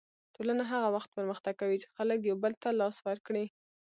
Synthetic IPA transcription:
tolanaɦaɣawaxt̪̚pəɾməxt̪aɡkawit͡ʃɪ̥xalək̬jawbəlt̪alɑswaɾkɽi

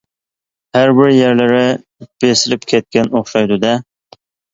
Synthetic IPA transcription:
hæɾbɪɾjeɾlɪɾɪ | b̥esɪlɪpkʲʰɛt̪̚kʲʰɛnoχʃɑjd̪ud̪ɛ

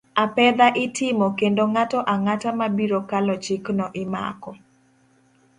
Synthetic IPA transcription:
apɛd̪aʔɪtʰɪmɔkendoŋatɔʔaŋatamabiɾokalɔt͡ʃɪknɔʔɪma̰kɔ

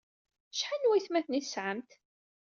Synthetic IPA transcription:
ʃħanwæjθmæθnisʕəmt̪

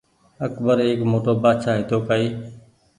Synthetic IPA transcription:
əkbəɾeːkmoːʈoːbaːʃaːɪ̃ːt̪ʰoːkaːiː

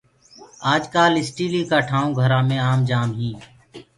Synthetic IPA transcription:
aːd͡ʒkaːlɪsʈiːliːkaːʈʰaːũːɡʱəɾaːmẽːaːmd͡ʒaːmɦĩː

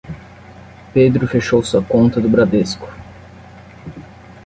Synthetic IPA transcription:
ped̪ɾʊfeʃowsuɐkõnt̪ɐd̪ʊbɾad̪eskʊ̥

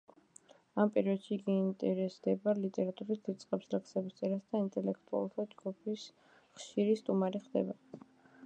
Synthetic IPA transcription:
ampʼɛɾiɔd̪̥ʃiːɡiːnt̪ʼɛɾɛsd̪ɛbalit̪ʼɛɾat̪ʼuɾisd̪it̪sʼqʼɛpslɛkʰsɛbist̪sʼɛɾasd̪aint̪ʼɛlɛkʰt̪ʼua̰lˠt̪ʰad͡ʒɡupʰis | χʃiɾist̪ʼumaɾiχd̪ɛ̰ba

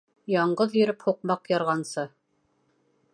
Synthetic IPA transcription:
jɑɴɢɤðjɵ̆ɾɘphuq̚mɑqjɑɾʁɑnsɤ

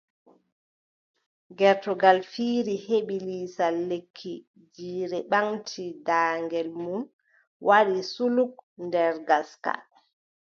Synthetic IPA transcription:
ɡɛɾtɔɡalfiːɾiheɓiliːsalːekʰːi | d͡ʒiːɾɛɓaŋtʰidaːŋɡɛlmun | wʔaɗisuluk̚ndɛɾɡaska̰

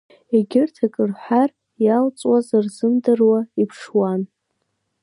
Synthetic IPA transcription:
eɡʲɪrtʰakʼɨrħʷar | jalt͡sʼwazarzɨmdɨrwaipʰʂwan

